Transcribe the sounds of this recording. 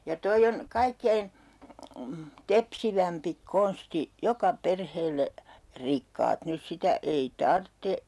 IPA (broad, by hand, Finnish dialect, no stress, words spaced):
jɑ toi on kɑikːein tepsiʋæmpi konsti jokɑ perheːlːe rikːɑːt nys sitæ ei tɑrtːe